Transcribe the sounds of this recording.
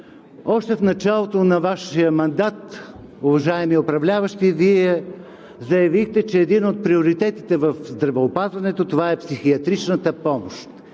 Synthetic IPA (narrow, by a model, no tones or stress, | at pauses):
ɔʃt̪ɛfnɐt͡ʃalˠot̪onɐvaʃijəmɐnd̪at̪ | ʊvɐʒaɛmiɛopɾɐvlʲavəʃt̪iviɛ | zɐjɐvixt̪ɛt͡ʃɛːd̪inot̪̚pɾioɾit̪ɛt̪it̪ɛvɐfzd̪ɾɐvɛopazvɐnɛt̪ot̪ovaɛpsixiɐt̪ɾit͡ʃnət̪əpɔmoʃt̪